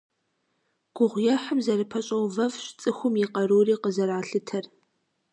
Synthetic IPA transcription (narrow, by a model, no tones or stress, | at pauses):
ɡ̥ʷʊʁʷjɛħəmzɐrɨpʰɐɕʼɐwvɐvɕt͡sʼɨxʷʊmjiqɐɾuːriːqəzɐɾaːɬɨtʰɐr